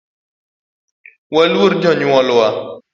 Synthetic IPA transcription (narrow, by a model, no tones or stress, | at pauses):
walwoɾd͡ʒɔɲwɔlʊwa